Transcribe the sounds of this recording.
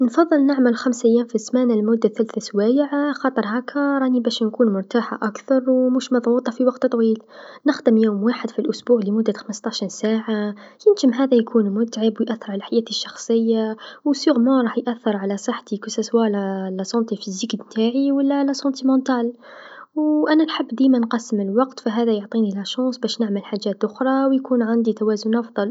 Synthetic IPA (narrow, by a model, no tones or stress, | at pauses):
nfɑðˤːəlnaʕməlxæmsʔæjːæːmfismænalmʊd̪ːaθælθæswæjʕxɑt̪ˤəɾˤɦækʰaɾˤɑnibæʃnkuːnmʊɾt̪aħa̰ʔakθɑɾˤwmuʃmɑðˤwut̪ˤɑfiwɑɡt̪t̪ˤwiːlnəxd̪əmjoːmwaħəd̪filʔʊsbuːʕlimʊd̪ːət̪xəməst̪ˤɑʃinsaːʕajənʒəmɦæðæjkʰuːnmʊt̪ʕəbwjʔæθːəɾˤʕalælħajæːt̪əʃːɑxsˤəjːawsuɣmɑ̃ɾˤɑːħjʔæθːəɾˤʕalæsˤəħt̪ikʊsæswælælːæsˤɑnt̪ifizəkd̪mt̪aʕiwəlːælːæsɑ̃nt̪imɑ̃nt̪æːl | wʔænænħəbːd̪imænqɑsəməlwɑqt̪fæɦæðæjʊʕt̪ˤinilæʃɑ̃ːsˤbæːʃnəʕməlħaʒæːt̪ʔʊxɾˤɑwjkuːnʕand̪it̪æwæzʊnʔɑfd̪ˤɑl